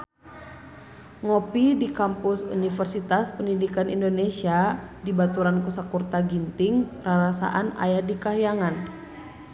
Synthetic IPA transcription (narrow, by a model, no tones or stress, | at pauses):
ŋɔpidikampusṵnifɛrsit̪aspəndidikanḭndonesiadibat̪uɾankusakurt̪aɡint̪ɪŋraɾasa̰ʔana̰jadikaɦijaŋan